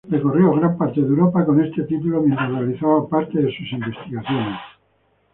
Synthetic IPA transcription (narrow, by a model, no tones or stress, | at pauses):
rekorjoɣ̞ɾampaɾt̪e̞ðewɾopako̞ne̞st̪e̞t̪it̪ulo̞mjẽnt̪ɾasrealiθaβapaɾt̪e̞ðesusimbe̞st̪iɣaθjo̞ne̞s